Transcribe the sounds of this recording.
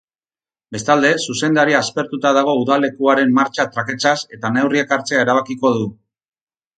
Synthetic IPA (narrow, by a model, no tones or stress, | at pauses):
be̞st̪ald̪e̞suse̞nd̪aɾiaːspe̞ɾt̪ut̪aðaɣ̞o̞uðale̞kuaɾe̞mmaɾt͡ʃat̪ɾake̞t͡sase̞t̪ane̞wriekaɾt͡se̞aeɾaβ̞akiko̞ðu